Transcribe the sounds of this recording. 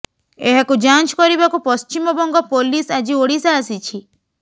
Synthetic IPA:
eɦakud͡ʒant͡ʃkɔɾibakupɔst͡ʃimɔbɔŋɡɔpolisad͡ʒioɽisaːsit͡ʃʰi

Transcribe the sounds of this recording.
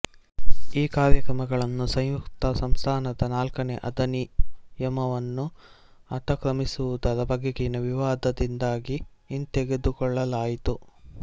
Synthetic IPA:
iːkaːɾjɐkɾɐmɐɡɐɭɐnːusɐjjukt̪ɐsɐmst̪ʰaːnɐd̪ɐnaːlkɐneʔɐd̪ɐnijɐmɐʋɐnːu | ɐt̪ɐkɾɐmisuʋud̪ɐd̪ɐbʱɐɡeɡenɐʋiʋaːd̪ɐd̪ind̪aːɡiː | nt̪eɡe̞d̪ukɔɭːɐlaːjit̪u

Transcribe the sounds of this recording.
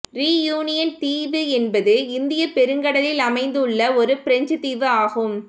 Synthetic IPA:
ɾiːjuːnɪjɐnt̪iːʋɯɛnbɐðɯɪnd̪ɪjɐpɛɾɯŋɡɐɽɐlɪlɐmɐɪnd̪ɯɭːɐɔɾɯpɪɾɛɲd͡ʒɯt̪iːʋɯaːɣɯm

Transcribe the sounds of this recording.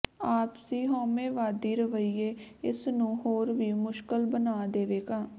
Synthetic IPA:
aːpsiːɦoːmeːʋaːd̪iːɾəʋəiːeːɪsnũːɦoːɾʋiːmʊʃkəlbənaːd̪eːʋeːkãː

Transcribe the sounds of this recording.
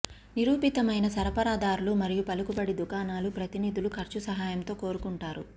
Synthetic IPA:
niɾuːpit̪ɐmɐjnɐsɐɾɐpɐɾaːd̪aːɾulumɐɾijupɐlukubɐɽid̪ukaːnaːlupɾɐt̪inid̪ulukʰɐɾt͡ʃusɐɦaːjɐmt̪o̞ːko̞ːɾukuɳʈaːɾu

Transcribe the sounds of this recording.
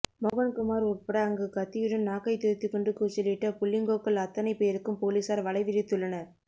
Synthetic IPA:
mɔɣɐnkʊmaːɾʊrpɐɽɐːŋɡɯkɐt̪ːɪjɪɽɯnnaːkɐɪt̪ɪɾt̪ːɯkʊɳɖɯkːɯsɔlːɪʈːɐpʊlːɪŋɡoːkːɐɭɐt̪ːɐnɐɪpːeɪɾɯkːɯmpoːliːsaːɾʋɐɭɐɪʋɪɾɪt̪ːɯɭːɐnɐɾ

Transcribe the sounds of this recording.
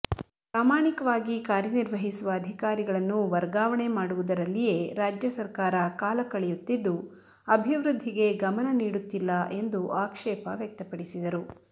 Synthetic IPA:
pɾaːmaːɳikɐʋaːɡikaːɾjɐniɾʋɐɦisuʋɐːd̪ʱikaːɾiɡɐɭɐnːuʋɐɾɡaːʋɐɳemaːɽuʋud̪ɐɾɐlːije̞ɾaːd͡ʒjɐsɐɾkaːɾɐkaːlɐkɐɭɛjut̪ːid̪ːu | ɐbʱiʋɾud̪ʱːiɡe̞ɡɐmɐnɐniːɽut̪ːilːɐʔe̞nd̪uʔaːkʂɛːpɐʋjɐk̚t̪ɐpɐɽisid̪ɐɾu

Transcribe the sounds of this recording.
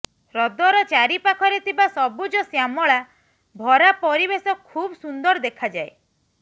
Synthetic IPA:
ɾɔd̪ɔɾɔt͡ʃaɾipakʰɔɾet̪ʰibasɔbud͡ʒɔsjamɔɭa | bʱɔɾapɔɾibesɔkʰubɔsund̪ɔɾd̪ekʰad͡ʒae

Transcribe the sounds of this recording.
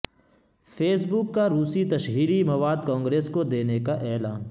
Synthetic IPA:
pʰeːsbʊkːaɾuːsit̪ɐʃɦiːɾimɐʋaːd̪kãːŋɡɾeːskod̪eːnekaʔɛːlaːn

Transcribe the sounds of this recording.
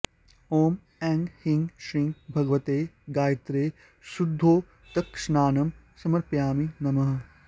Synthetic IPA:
oːm | ɛ̃ːŋɡhiŋɡʃɾĩŋɡbʱɐɡʋɐt̪eːɡaːjɐt̪ɾeː | sud̪ʱːoː | t̪ɐkʂnaːnɐm | sɐmɐɾpjaːminɐmɐɦɐ

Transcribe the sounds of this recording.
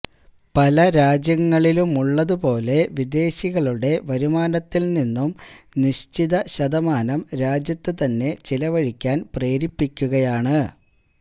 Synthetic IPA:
pɐlɐɾaːd͡ʑjɐŋːɐɭilumuɭːɐðupo̞ːle̞ʋid̪e̞ːɕiɣɐɭuɽe̞ʋɐɾumaːnɐt̪ːilninːumniɕt͡ɕiðɐɕɐðɐmaːnɐmɾaːd͡ʑjɐt̪ːɨt̪ɐnːe̞t͡ɕilɐʋɐɻikʲːaːnpre̞ːɾipːikʲːuɣɐjaːɳɨ

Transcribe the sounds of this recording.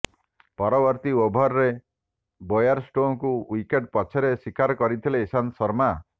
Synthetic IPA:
pɔɾɔbɔɾt̪iobʱɔɾɾe | bojaɾsʈõkuwikeʈ̚pɔt͡ʃʰeɾesikaɾɔkɔɾit̪ʰileːsansɔɾma

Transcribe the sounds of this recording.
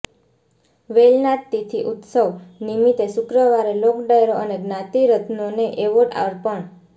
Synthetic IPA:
ʋelnat̪ːit̪ʰiʔut̪səʋnimit̪esʊkɾəʋaɾelokɖajɾoʔəneɡnãt̪iɾət̪ʰnoneʔeʋoʈa̰ɾpəɳ

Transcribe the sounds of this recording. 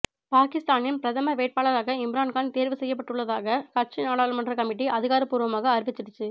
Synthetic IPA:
paːkɪst̪aːnɪnpɪɾɐðɐmɐʋeːʈ̚paːɭɐɾaːɣɐɪmɪɾaːnkaːnt̪eːɾʋɯsɛjːɐp̬ːɐʈːɯɭːɐðaːɣɐkɐɾt͡ʃːinaːɽaːlmɐndrɐkɐmɪʈːiʔɐðɪɣaːɾɐpːuːɾɯʋɐmaːɣɐːɾʋɪt͡ʃːɪɾɯt͡ʃːɯ

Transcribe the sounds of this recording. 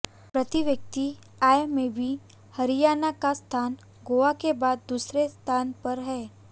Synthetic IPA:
pɾət̪iʋjək̚t̪i | aːjmẽbʱi | hɐɾɪjaːnakast̪ʰaːn | ɡoːʋakebaːd̪ːuːsɾest̪ʰaːnpɐɾɦɛː

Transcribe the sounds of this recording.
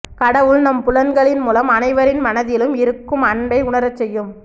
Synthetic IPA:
kɐɽɐʋɯɭnɐmpʊlɐnɡɐɭɪnmuːlɐmɐnɐɪʋɐɾɪnmɐnɐðɪlɯmɪɾɯkːɯmɐɳɖɐɪʊɳɐɾɐt͡ʃːɛjːɯm

